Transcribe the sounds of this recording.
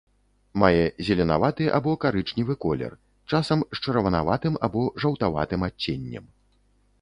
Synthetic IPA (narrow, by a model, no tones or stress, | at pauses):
majɛzʲɛlʲɛna̰vat̪ɨʔa̰bɔkaɾɨt͡ʂnʲivɨkɔlʲɛ̰r | t͡ʂasɐmʂt͡ʂɐɾɐvɐna̰vat̪ɨmabɔʐɐwt̪ava̰t̪ɨmat͡sʲːenʲːɐ̰m